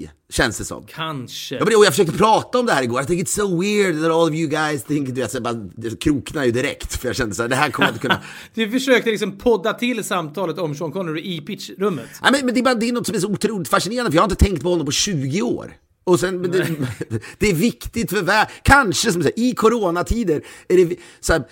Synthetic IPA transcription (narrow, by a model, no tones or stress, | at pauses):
ɕɛnsd̪ɛsɔ̰mːkʰanʂəjɑːmɛɔjafəʂøːk̚t̪əpʰɾɑːt̪aɔmd̪ɛhæːɾɪɡoːɾjaθɪ̃ŋkɪt̪soʊwɪɹd̪ðæɾɔːlˠɔvjʊɡaɪsθɪŋkd̪ɵveːt̪sbɑɾaɛkʰɾuːknajʉd̪ɪɾɛ̰kt̪fœjaɕɛnd̪əsæːɖɛɦæɾkʰɔmnjɪnt̪kɵnːa̰ | d̪̥ɵfəʂøːkt̪əlɪksɔmpʰɔd̪ːat̪ʰɪlːsamt̪ʰɑːlət̪ɔmʃɔnkʰɔnəɾɪʔipɪtʂɾɵmːət̪næmɛnmɛnd̪ɛbɑːɾad̪ɛːnɔt̪sɔmæʂ̬ɔʊt̪ʰɾuːlɪt̪faʂɪneːɾand̪əœjɑhaɾɪt̪ət̪ʰɛŋk̚t̪pɔɔnːɔmpʰɔɕʉ̟ːɡɪo̰ːɾ | ɔsɛnmɛnd̪ɛ | d̪̥ɛːɾvɪkt̪ɪt̪fœɾvækʰanʂəs̬ɔmsæːʔɪkʰʊɾoːnat̪ʰiːd̪əɾæɖɛsɔæːɾ